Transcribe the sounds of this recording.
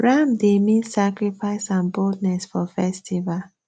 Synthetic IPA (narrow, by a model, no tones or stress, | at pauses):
ɹãmdemĩnsakɹifaɪsãnboldnɛsfɔfɛstʰival